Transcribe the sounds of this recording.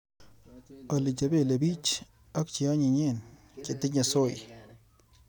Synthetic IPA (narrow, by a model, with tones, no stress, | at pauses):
a˨li˨t͡ʃa˨be˦˨le˨bi˦t͡ʃ | a˦k̚t͡ʃi˨a˦ɲi˨ɲe˦˨n | kɪ˨tɪ˦ɲa˨so˦˨j